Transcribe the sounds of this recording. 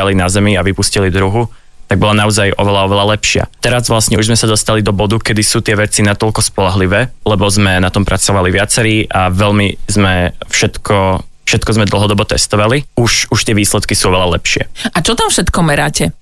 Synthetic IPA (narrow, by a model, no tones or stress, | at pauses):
alinazɛmiaʋipuscilid̪ɾuɦu | t̪aɡ̚bɔlanaɔzajʔɔ̰ʋɛlaɔʋɛlalɛpʃɪa̰t̪ɛɾazʋlasɲɛuʒzmɛsad̪ɔst̪alid̪ɔbɔd̪ukɛd̪isuːt̪ɪɛʋɛt͡sinat̪ɔlkɔspɔlaɦliʋɛːlɛbɔzmɛnat̪ɔmpɾʔat͡sɔʋaliʋɪat͡sɛɾiːʔaʋɛʎmizmɛfʃɛt̪kʰɔ | fʃɛt̪kɔzmɛd̪l̩ˠɦɔd̪ɔbɔt̪ɛst̪ɔʋaliuʃuʃt̪ɪɛʋiːslɛt̪kisuːɔʋɛʎalɛpʃɪɛ̰at͡ʃɔt̪amfʃɛt̪kɔmɛɾaːcɛ